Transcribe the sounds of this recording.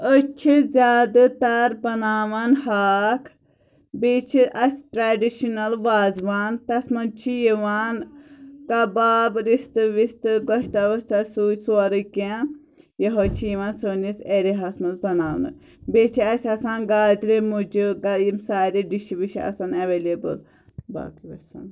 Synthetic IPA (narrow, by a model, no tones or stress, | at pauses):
ət͡ʃʰizʲaːd̪ɨt̪aɾpɐnaːʋɐnhaːkʰ | beːt͡ʃʰiʔɐsʲʈɾaːɖiʃinɐlʋaːzʋaːnt̪ɐsmɐnt͡ʃʰijiʋaːnkabaːbɾist̪ɨʋist̪ɨɡɔʃt̪aʋɔʃt̪asuːjsuɐɾɨke | jɐɦoːt͡ʃʰijʋaːnsoniseɾiɦɐsmɐlpɐnaːnɐ̰ | bet͡ʃʰiɐsʲɐsaːnɡaːd͡ʒɾemud͡ʒiɡajimsaːɾiɖiʃiʋiʃiɐ̰sɐːnɐʋeːlebɨ̰l | ba̰ːkiʋɐsɐ̰n